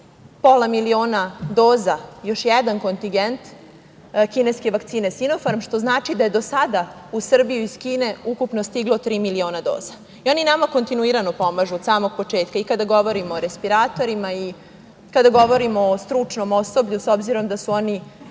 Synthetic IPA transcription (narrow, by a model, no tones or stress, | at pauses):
polamilio̞ːnad̪o̞ːzajo̞ʃjɛd̪anko̞nt̪iŋɡent̪ | kineske̞ʋakt̪iːne̞sinofoɾmʃt̪o̞znaːt͡ʃid̪aje̞d̪o̞sad̪a | usr̩bijuiskiːne̞ukupno̞st̪iɡlo̞t̪ɾiːmilio̞ːnad̪o̞̰ːz̥a | io̞ninamako̞nt̪inuiɾano̞po̞maʒuod̪saːmo̞ɡ̚po̞t͡ʂe̞ːt̪kaikad̪aɡo̞ʋo̞ɾimoːɾespiɾaːt̪o̞ɾimai | kad̪aɡo̞ʋo̞ɾimoːst̪ɾut͡ʂno̞mosobʎusobziɾo̞md̪asuoni